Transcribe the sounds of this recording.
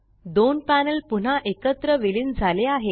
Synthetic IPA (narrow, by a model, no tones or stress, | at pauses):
d̪onpænəlpuɳ̤aʔekət̪ɾəʋilind͡zʱaleaɦe